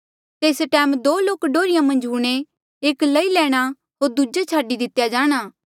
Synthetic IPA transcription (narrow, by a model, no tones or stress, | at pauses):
t̪eːsʈɛːmd̪oːloːkɖoːɾɪjãmɐ̃nd͡ʒɦuːɽ̃e | eːklɐilɛːɽ̃a | ɦoːɾd̪ud͡ʒet͡ʃʰaːɖid̪ɪt̪jad͡ʒaːɽ̃aː